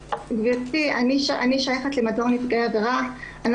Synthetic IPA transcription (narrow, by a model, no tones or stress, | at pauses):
vvtianiʃaaniʃajaχet̪lemadoaʁnitɡajaveʁa | an